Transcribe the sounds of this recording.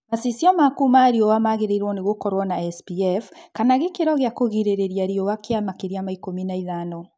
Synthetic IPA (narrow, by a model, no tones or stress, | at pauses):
masisjɔmakumaɾiowamaɣeɾeiɾwɔneɣokɔɾwɔnaɛsbiɛfkanaɣekeɾɔɣeakoɣiɾeɾeɾjaɾiowakeamakeɾiamaikominaiðanɔ